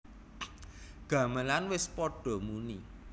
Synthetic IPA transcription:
ɡ̥ä̤məlanwɪspɔɖ̥ɔ̤muni

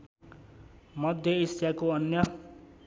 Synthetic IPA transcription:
mʌd̪ʱjʌisjakoʌnjʌ

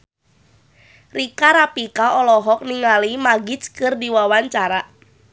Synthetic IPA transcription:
rikaɾapikaʔɔlɔɦɔk̚niŋalimaɡit͡ʃkɨrdiwawaɲt͡ʃaɾa

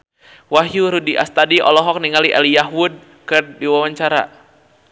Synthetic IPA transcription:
waɦjuɾudiʔa̰st̪adiʔɔ̰lɔɦɔk̚niŋaliʔalijaɦud̚ | kɨrdiwawaɲt͡ʃaɾa̰

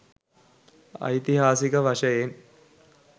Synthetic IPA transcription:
ɐ̰jt̪iɦaːsikəʋɐʂɐjen

